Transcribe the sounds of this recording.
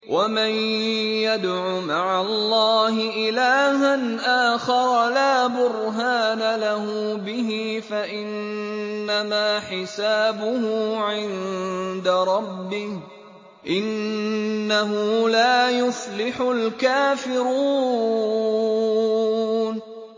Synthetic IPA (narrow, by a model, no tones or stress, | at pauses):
wʔamanjad̪ʕʊmaʕalˤːɑːɦɪʔɪlaːɦanʔaːxɑɾˤɑlaːbʊɾɦaːnalaɦʊbɪɦɪfaʔɪnː | amaːħɪsaːbʊɦʊʕɪnd̪aɾˤɑbːɪh | ʔɪnː | aɦʊlaːjʊslɪħʊlkaːfɪɾuː | n